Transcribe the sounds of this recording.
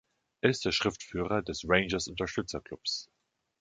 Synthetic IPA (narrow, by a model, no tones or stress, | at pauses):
ʔeːɪst̚d̥eːɐʃʁ̥ɪftfyːʁɐdɛsʁeɪnd͡ʒɐsʊntɐʃtʏt͡sɐkl̥ʊps